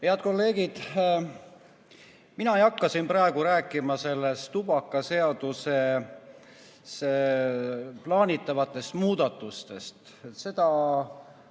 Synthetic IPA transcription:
heɑt̪ko̞lːe̞ːɡ̥id̪̥ | minɑejɑkːˑɑsinpɾɑe̞ɡ̥uɾæːkˑːimɑse̞lːest̪ub̥ɑkːˑɑse̞ɑd̪̥use | se | plɑːnʲit̪ːˑɑvɑt̪ːˑe̞st̪muːd̪ɑt̪ːˑust̪e̞st̪ | se̞d̪̥ɑ

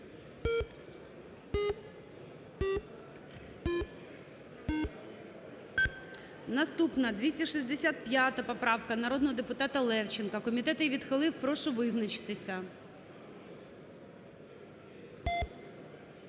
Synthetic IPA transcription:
nɐst̪upnɐd̪ʲʋʲisʲtʲɐʃizʲd̪esʲat̪̚pʲjat̪ɐpɔpɾɑwkɐnɐɾɔd̪nɔɦɔd̪epʊt̪ɑt̪ɐlˠɛwt͡ʃɪnkɐkɔmʲit̪ɛt̪ɪjʋʲid̪xɪlˠɪwpɾɔʃʊʋɪznɐt͡ʃɪ̥t̪ɪsʲɐ

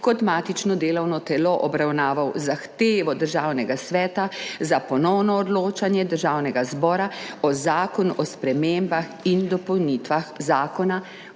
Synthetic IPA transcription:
kɔt̪maːt̪it͡ʃnɔd̪eːlɔwnɔt̪ɛloʔɔbɾawnaːʋawzaxt̪eːʋɔd̪əɾʒaːwnɛɡasʋɛːt̪azapɔnɔwnɔːd̪loːt͡ʃanjɛd̪əɾʒaːwnɛɡazbɔːɾaɔzaːkɔnʔɔspɾɛmembaxind̪ɔpɔwnit̪ʋaxzaːkɔna

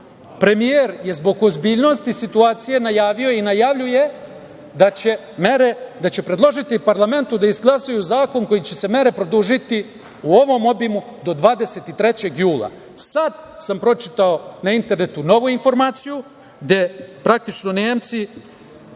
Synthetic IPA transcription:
pɾe̞mijeɾje̞zbo̞ɡozbiːʎno̞st̪isit̪uaːt̪sije̞najaːʋioinajaʋʎuje̞ | d̪at͡ɕe | meɾed̪at͡ɕe̞pɾe̞d̪lˠo̞ʒit̪ipaɾlˠame̞nt̪ud̪aizɡlˠasajuzaːko̞ŋko̞jit͡ɕe̞se̞me̞ɾe̞pɾo̞d̪uʒit̪i | uo̞ʋo̞mo̞bimud̪o̞d̪ʋaːd̪e̞se̞t̪it̪ɾet͡ɕe̞ɡjuːlˠa̰ | sad̪sampɾo̞t͡ʃit̪ao̞naint̪e̞ɾne̞t̪uno̞ʋuinfo̞ɾmaːt̪siju | ɡd̪e̞pɾak̚t̪it͡ʃno̞neːmt̪si

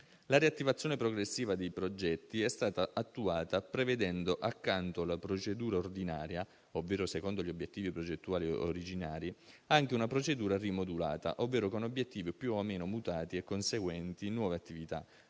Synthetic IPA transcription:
laɾiat̪ːivat̪sːjoːnepɾoɡɾesːiːvad̪ejpɾod͡ʒɛt̪ːiɛst̪aːt̪aʔat̪ːuaːt̪apɾeved̪ɛnd̪oʔakːant̪olapɾot͡ʃed̪uːɾaord̪inaːɾja | ovːeːɾosekond̪oʎiobːjet̪ːiːvipɾod͡ʒet̪ːuaːlio̰ɾid͡ʒinaːɾiaŋk̟eunapɾot͡ʃed̪uːɾarimod̪ula̰ːt̪a̰ʔovːeːɾokonobjet̪ːiːvipjuomeːnomut̪aːt̪iɛkːonseɡwɛnt̪inwɔːveat̪ːivit̪a̰

